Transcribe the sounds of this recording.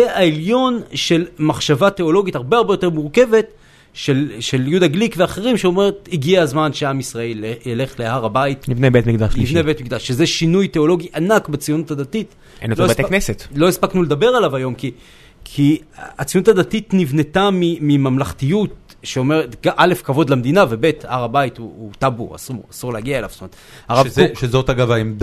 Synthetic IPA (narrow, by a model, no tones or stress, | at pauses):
eaeljo̞nʃe̞lmaχʃavate̞o̞lo̞ɡitaʁbeaʁbejotmuʁke̞ve̞t | ʃelʃe̞ljudaɡlikveaχeʁimʃeo̞me̞ʁetiɡiaazmanʃeamisʁae̞lejele̞χlehaʁabaitnivnebet̪mikd̪aʃnivnebetmik̚d̪aʃːezeʃinujte̞o̞lo̞ɡiʔanakbet͡sijonutadatit | ḛnotloesaknesetlo̞ispaknuled̪abe̞ʁalavajo̞mki | kʰiat͡sijonutʰad̪atitnivne̞tamimimamlaχtijut̚ | ʃeomeʁetɡaʔale̞fkavo̞d̪lamd̪inave̞be̞tahaʁabaituːt̪abṵa̰suʁasuʁlehaɡiaela̰v̥tomeet | aʁaʃʃezotaɡavaemd